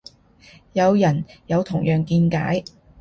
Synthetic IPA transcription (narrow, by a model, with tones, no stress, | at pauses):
jɐ˨˧wjɐ˨˩njɐ˨˧wt̪ʰʊ˨˩ŋjœː˨ŋkiː˧nka̰ː˨˥j